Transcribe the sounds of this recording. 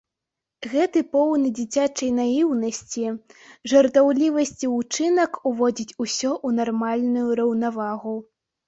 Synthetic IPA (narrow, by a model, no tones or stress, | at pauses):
ɣɛt̪ɨpɔwnɨd͡zʲit͡sʲat͡ʂɐjnajiwnɐsʲt͡sʲiʐɐrt̪awlʲivɐsʲt͡sʲiut͡ʂɨnɐkuvɔd͡zʲit͡sʲusʲɔʔunarmalʲnujuɾɐwnavaɣu